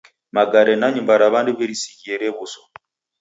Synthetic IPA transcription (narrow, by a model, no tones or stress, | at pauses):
maɡaɾɛnaɲumbaɾaβanduβɛɾisiɣiɛɾɛβusɔ̥